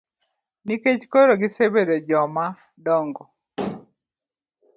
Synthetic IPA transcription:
niket͡ʃkoɾoɡɪsebedod͡ʒɔma | dɔŋɡɔ

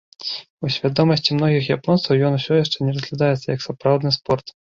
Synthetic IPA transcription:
usʲvʲad̪ɔmɐsʲt͡sʲimnɔɣʲixjapɔnt̪sɐwjɔnusʲɔjaʂt͡ʂɛnʲɛrɐzʲɣlʲad̪ajɛt̪sːɐjɐksapɾawd̪nɨspɔrt̪

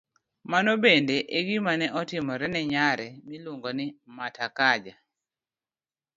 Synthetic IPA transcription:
manɔbendeʔeɡimanɛɔtɪmɔɾɛnɛɲaɾɛmiluŋɡɔnimatakad͡ʒa

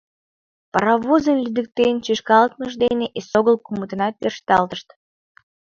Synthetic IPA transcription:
pɑɾɑβuzənlʲyd̪ək̚t̪ent͡ɕeʃkɑlət̪məʒd̪eneʔesoɣəlkumət̪ənɑt̪̚perʃt̪ɑlt̪əʃt̪

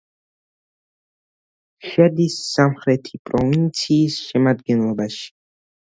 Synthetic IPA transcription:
ʃɛd̪isːamχɾɛt̪ʰipʼɾɔvint̪sʰiːsʃɛmad̪ɡɛnlˠɔbaʃi̥

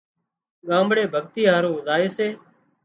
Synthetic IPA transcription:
ɠãːmbɽeːbʱəɠt̪iːɦaːɾoːzaːeːseː

